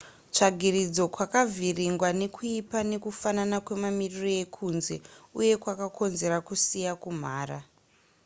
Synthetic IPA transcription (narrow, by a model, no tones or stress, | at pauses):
t͡ʂaɡʱirid͡zo̞kwakavʱiriŋɡwane̞kʰuipane̞kufananakwe̞mamiriro̞je̞kʰunze̞̰uje̞kwakakʰo̞nze̞ɾakusijakum̤aːɾa